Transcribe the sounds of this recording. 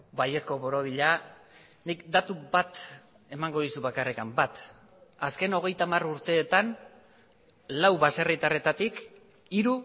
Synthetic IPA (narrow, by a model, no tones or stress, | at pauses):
baje̞sko̞βo̞ɾo̞ðiʎa | nikd̪at̪ubat̪ | e̞maŋɡo̞ðisuβakarekambat̪ | aske̞no̞ɣ̞e̞jt̪amaruɾt̪e̞ːt̪an | lawβasarit̪are̞t̪at̪ik | iɾu